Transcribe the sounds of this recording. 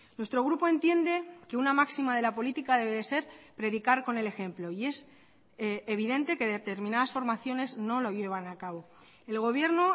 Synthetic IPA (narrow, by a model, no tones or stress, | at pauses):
nwe̞st̪ɾo̞ɣɾupo̞ẽ̞nt̪je̞nd̪e̞ke̞unamaksimað̞e̞lapo̞lit̪ikaðe̞βe̞ðe̞se̞ɾpɾe̞ðikaɾko̞ne̞le̞xẽ̞mplo̞ie̞s | eβ̞iðe̞nt̪e̞ke̞ðet̪e̞ɾmĩnaðasfo̞ɾmaθjo̞ne̞zno̞lo̞ʝe̞β̞anakaβo̞ | e̞lɣo̞β̞je̞ɾno̞